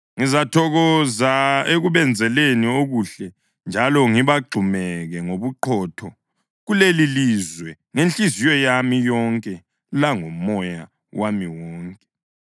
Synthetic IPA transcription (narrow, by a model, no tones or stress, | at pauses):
ŋizatʰɔɣɔzaeɣuβɛnd͡zʱɛlenioɣuɬɛ | nd͡ʒʱalɔŋiβaɡ͡ǃʱumɛɣɛŋoβuǃʰɔtʰɔ | ɣulelilizwɛ | ŋent͡ɬʼizijɔjamijɔŋkʼɛ | laŋomɔja̰ | wamiwɔːŋkʼɛ